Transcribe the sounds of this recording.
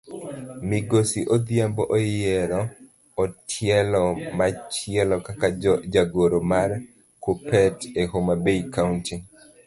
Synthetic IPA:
miɡosiʔod̪jambɔʔojɛɾɔ | ɔtʰjɛlɔmat͡ʃɪɛlɔkakad͡ʒaɡoɾomar | kopɛtehomabeikawnti

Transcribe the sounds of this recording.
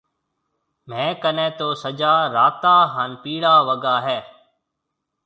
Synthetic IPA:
m̤ɛ̃ːkənɛ̃ːt̪oːsəd͡ʒaːɾaːt̪aːɦaːnpiːɽaːʋəɡaːɦɛː

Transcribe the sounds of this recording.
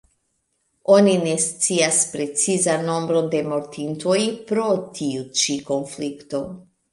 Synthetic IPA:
o̞nine̞st͡siaspɾe̞t͡sizanːo̞mbɾo̞nde̞mo̞ɾtʰinto̞jpɾo̞tʰiut͡ʃiko̞nflikto̞

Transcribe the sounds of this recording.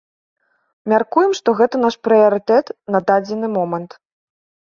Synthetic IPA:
mʲarkujɛmʂt̪ɔɣɛt̪ɐnaʂpɾɨjɐɾɨt̪ɛt̪nɐd̪ad͡zʲɛnɨmɔmɐnt̪

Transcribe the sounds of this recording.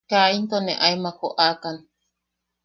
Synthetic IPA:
kaint̪oneʔajmakoʔakan

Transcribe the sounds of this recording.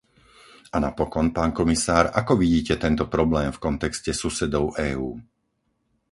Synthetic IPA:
ʔanapɔkɔnpaːnkɔmisaːɾakɔʋiɟiːcɛt̪ɛnt̪ɔpɾɔblɛːmfkɔnt̪ɛkscɛsusɛd̪ɔʊʔɛːuː

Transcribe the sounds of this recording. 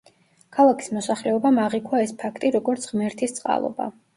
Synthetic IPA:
kʰalˠakʰi̥smɔsaχlɛɔbamaʁikʰwaɛspʰakʰt̪ʼiɾɔɡɔɾt̪sʰʁmɛɾt̪ʰist̪sʼqʼa̰lˠɔ̰ba̰

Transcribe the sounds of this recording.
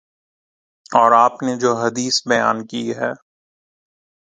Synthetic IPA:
ɔːɾaːpned͡ʒoːɦɐd̪iːsbɐja̰ːnkiɦɛː

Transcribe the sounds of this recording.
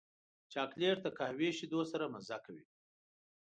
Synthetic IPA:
t͡ʃɑːkleɾt̪akahweʃid̪osaɾamazakawi

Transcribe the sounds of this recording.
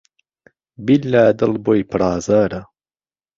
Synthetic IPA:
bilːaːd̪əlbojpɽɑːzaɾa

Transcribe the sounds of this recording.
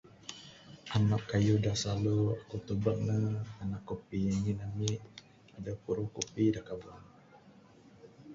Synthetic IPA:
ʔanakːajudasaluakut̪ubək̚nəanakːopijaɲinamiʔ | adapuɾukupidakaban

